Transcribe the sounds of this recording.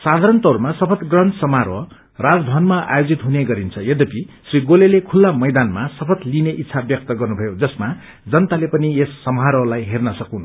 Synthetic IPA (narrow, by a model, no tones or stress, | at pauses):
sad̪ʱaɾʌnt̪ʌɾmasʌpʰʌt̪ɡrʌnsʌmɦaɾʌ | rad͡zbʱʌnmaʔa̰jod͡zit̪ɦuneɡʌɾint͡sʰʌjed̪ʌpisriɡolelekʰulːamʌjd̪anmasʌpʰʌt̪lineʔit̪ːsʰabjʌk̚t̪ʌɡʌrnubʱʌjod͡zʌsma | d͡zʌnt̪alepʌniesːʌmɦaɾʌlajɦernʌsʌkunʌ